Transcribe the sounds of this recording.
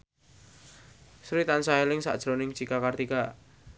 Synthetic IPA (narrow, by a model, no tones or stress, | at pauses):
sɾit̪ansaelɪŋsa̰ʔd̥ʒ̥ɾonɪŋt͡ʃikakart̪ika